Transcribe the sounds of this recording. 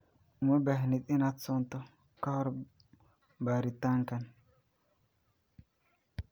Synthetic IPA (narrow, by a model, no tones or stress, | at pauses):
umɐbaɦnit̪ʼinat͡sːɔnt̪ɔ | kahɔɾ | baɾit̪ːaŋkɐn